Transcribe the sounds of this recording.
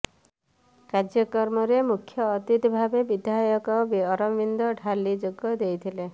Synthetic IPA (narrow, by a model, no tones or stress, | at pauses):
kaɾd͡ʒjɔkɔɾmɔɾemukʰːjɔːt̪it̪bʱabebid̪ʱajɔkɔbiɔɾɔmʋind̪ɔɖʱalːid͡ʒoɡɔd̪ejt̪ʰile